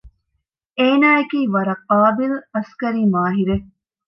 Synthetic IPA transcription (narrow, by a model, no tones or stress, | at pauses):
eːnaːekiːʋɐɾɐqaːbilɐskɐɾiːmaːɦiɾe